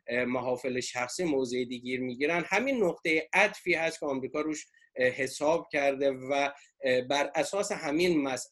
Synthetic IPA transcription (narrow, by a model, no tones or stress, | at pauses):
mæɦɒːfeleʃæxsiːmoːzeed̪iːɡiːɾmiːɟiːɾænd̪hæmiːnːoqt̪e̞jeʔæd̪fiːhæst̪kʰʲeɒmɾiːkʰɒːɾuːʃ | he̞sɒːb̥̚cʰæɾd̪e̞væ | bæɾʔæsɒːse̞ɦæminmæs